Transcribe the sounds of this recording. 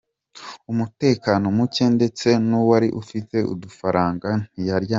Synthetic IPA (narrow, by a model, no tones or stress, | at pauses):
umute̞ːkano̞muce̞nde̞t͡se̞nuwaɾiʔufite̞ʔṵdufaɾaːŋɡan̥ijaɾja